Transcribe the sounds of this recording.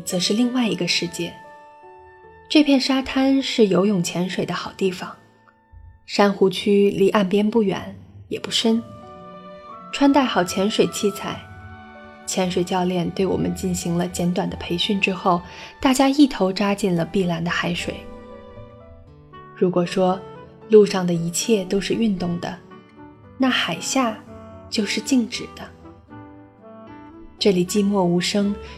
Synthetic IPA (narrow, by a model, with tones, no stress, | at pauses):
t͡sɤ˧˥ʂɻ̩˥˧li˥˧ŋwa˥˩ɪi˧˥ɡə˧ʂɻ̩˥˧t͡ɕjɛ˥˩ | ʈ͡ʂɤ˥˧pʰjɛ˥˩nʂa˥t̪ʰa˥nʂɻ̩˥˩jo˧˥ʊjʊ˥˩ŋt͡ɕʰjɛ˧˥nʂwe˨˩ɪd̪ə˦xɑ˨˩ʊt̪i˥˩fɑ˨˩˦ŋ | ʂa˥nxu˧˥t͡ɕʰy˥li˧˥ʔa˥˩npjɛ˥npu˥˩ɥɛ̰˧˥njɛ̰˨˩pu˥˩ʂə˥n | ʈ͡ʂʰwa˥nt̪a˥˩ɪxɑ˨˩ʊt͡ɕʰjɛ˧˥nʂwe˨˩ɪt͡ɕʰi˥˩t͡sʰa˧˩˦ɪ | t͡ɕʰjɛ˧˥nʂwe˨˩ɪt͡ɕjɑ˥˧ʊljɛ˥˧nt̪we˥˩ɪwɔ̰˨˩mʔə̰˦nt͡ɕi˥˩nɕi˧˥ŋlə˧t͡ɕjɛ˧˥nt̪wa˨˩nd̪ə˦pʰe˧˥ɪɕy˥˩nʈ͡ʂɻ̩˥xo˥˩ʊt̪a˥˩t͡ɕja˥i˥˩t̪ʰo˧˥ʊʈ͡ʂa˥t͡ɕi˥˩nlə˩pi˥˩la˧˥nd̪ə˧xa˧˥ɪʂwḛ˨˩˦ɪ | ɻu˧˥kwɔ˨˩ʂwɔ˥ | lu˥˧ʂɑ˥˩ŋd̪ə˩i˧˥t͡ɕʰjɛ˥˩t̪o˥ʊʂɻ̩˥˧y˥˧nt̪ʊ˥˩ŋd̪ə̰˩ | na˥˩xa˨˩ɪɕja˥˧t͡ɕjo˥˧ʊʂɻ̩˥˧t͡ɕi˥˩ŋʈ͡ʂɻ̩˨˩d̪̥ə˦ | ʈ͡ʂɤ˥˩li˨˩t͡ɕi˥˧mwɔ˥˩u˧˥ʂɤ˥ŋ